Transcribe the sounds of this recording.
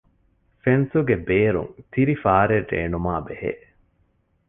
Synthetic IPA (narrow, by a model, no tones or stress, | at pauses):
fensuɡebeːɾṵŋt̪iɾifaːɾerːḛːnumaːbehḛː